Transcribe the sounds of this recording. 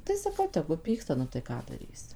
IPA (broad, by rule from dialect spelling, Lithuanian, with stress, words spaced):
tɐɪ sɐˈkɐʊ ˈtʲæːɡʊ ˈpʲiːkstɐ nʊ tɐɪ ˈkɑː dɐˈrʲiːsʲɪ